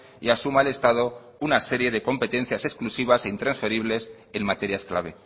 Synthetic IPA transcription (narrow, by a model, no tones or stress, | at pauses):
iasumale̞st̪að̞o̞ | unase̞ɾje̞ðe̞ko̞mpe̞t̪e̞nθjasesklusiβ̞ase̞int̪ɾansfe̞ɾiβ̞le̞s | e̞nmat̪e̞ɾjaesklaβ̞e̞